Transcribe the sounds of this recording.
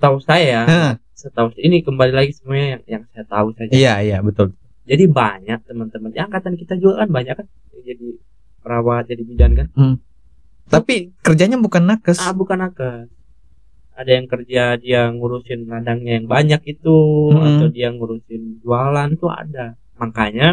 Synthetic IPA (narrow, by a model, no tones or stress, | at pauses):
sə̥t̪ausajaə | sət̪ausinikəmbalilaɡisəmuaɲajaŋjaŋsajat̪ausad͡ʒaijaijabət̪ʊlbət̪ | d͡ʒadiba̰ɲak̚t̪əmənt̪əmənjaaŋkat̪ankit̪ad͡ʒualkanbaɲakːan | d͡ʒadi | pəɾawat̪̚d͡ʒadibud͡ʒankan | t̪apikərd͡ʒaɲabukanːakəsabukanːakəs | adajaŋkərd͡ʒadiaŋuɾusɪnladaŋɲajaŋbaɲak̚it̪ua̰t̪awdiaŋuɾusɪnd͡ʒualant̪ua̰da | maŋkaɲa